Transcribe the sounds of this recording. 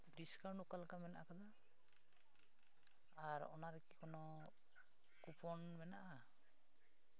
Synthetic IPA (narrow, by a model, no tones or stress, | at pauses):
ɖiskawɳʈukalkamɛnaʔakad̪a | aɾɔ̰naɾɛkikɔnɔ | kupʰɔnmɛnaʔa